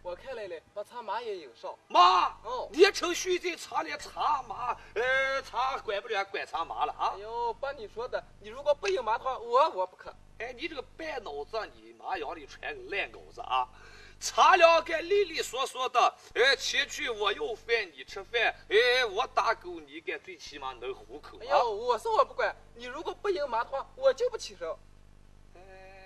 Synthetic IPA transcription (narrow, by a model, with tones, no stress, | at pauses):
wɔ˨˩kʰa˥˧le˧˩lɛ˧˥˩pa˧˩t͡sʰa˧˥ma˧˥jɛ˧˥ji˨˩ŋʂo˥˩ma˧˥o˥˩ni˨˩ɛ˧˥ʈ͡ʂʰɤ˧˥ŋɕy˥˧t͡ɕi˥˩ŋt͡sʰa˧˥ljɛ˧˥t͡sʰa˧˥ma˧˥e˥˧t͡sʰa˧˥kwɛ˨˩ɪpu˥˩lɥɛ˧˥kwɛ˨˩t͡sʰa˧˥ma̰˧˥lə̰˧ʔjo˧˥pa˥nni˨˩ʂwɔ˥d̪ə˨ni˨˩ɻu˧˥kwɔ˨˩pu˥˩ji˨˩ŋma˧˥d̪ə˧xwa˥˩wɔ˧˥wɔ˨˧˦pu˧˥kʰə˨˩˦ | e˥˩ɪni˨˩ʈ͡ʂɤ˥˩ɡə˧pɛ˥˩no˨˩ʊt͡sə˥˩nḭ˨˩ma̰˧˥jɔ˧˥ʊli˨˩ʈ͡ʂʰwɛ̰˧˥˧ljɛ˥˩nko̰˨˩ʊt͡sə̰˧˩ | t͡sʰa˧˥ljɑ˧˥ʊka˧ɪli˥˧li˥˩swɔ˧˥swɔ˧˥d̪ə˨ | e˥t͡ɕʰi˧˥t͡ɕʰy˥˩wɔ˨˩jo˥˧ʊfjɛ˥˩nni˨˩ʈ͡ʂ̩ʰ˥fɛ˥˩e˥wɔ˧˩t̪a˧˩ko˧˥ni˧˥ka˨˧˩t͡swe˥˩t͡ɕʰi˧˥ma˧nə˧˥xu˧˥kʰɤ̰˨˩˧jo˧˩wɔ˨˩ʂə˥wɔ˨˩p̬u˥˩kwa˨˧˩ | ni˨˩ɻu˧˥kwɔ˨˩pu˥˩ji˧˥ŋma˧˥d̪ə˧xwa˥˧˩wɔ˨˩t͡ɕjo˥˧ʊpu˥t͡ɕʰi˨˩ʂo˧˥ | e˥˧˩